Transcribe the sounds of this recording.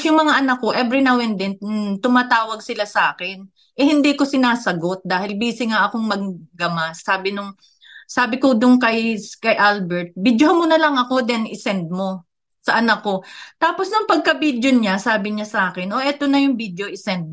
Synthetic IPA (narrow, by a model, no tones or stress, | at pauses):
jʊŋmɐŋaʔɐnɐkːo̞ʔɛbɾɪnɐwɛnd̪ɛnt̪ʊmaːt̪aːwɐɡ̚sɪlasɐʔaːkɛn | ʔɛhɪnd̪iːko̞sɪnaːsɐɡo̞t̪̚d̪aːhɪlbiːsɪŋaʔɐko̞ŋmɐɡɡɐmasːaːbɪnʊŋ | saːbɪkod̪ʊnkɐjkɐjʔalbɛɹt̪̚bid̪johɐmonɐlɐŋʔɐko̞d̪ɛnɪsɛnd̪̚mo̞ | sɐʔɐnɐkːo̞t̪aːpo̞snʊŋpɐɡ̚kɐbid̪joɲasaːbɪɲasɐʔaːkɛnʔo̞ʔɛt̪o̞nɐjʊŋbid̪joʔɪsɛnd̪̚